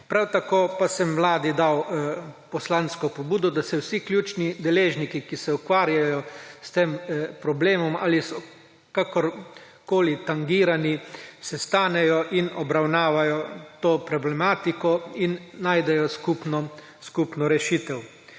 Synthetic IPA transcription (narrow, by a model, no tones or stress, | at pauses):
pɾawt̪akoːpasɛmʋlaːd̪id̪awpɔslanskɔpɔbuːd̪ɔd̪asɛwsiklʲjuːt͡ʃnid̪ɛleːʒnikikisɛukʋaːɾjajɔst̪eːmpɾɔbleːmɔma̰ːlisɔ | kakɔɾ | koːlit̪aŋɡiːɾanisɛst̪aːnɛjɔʔinɔbɾawnaːʋajɔt̪oːpɾɔblɛmaːt̪ikɔinːaːjd̪ɛjɔskupnɔ | skupnɔɾɛʃiːt̪ɛw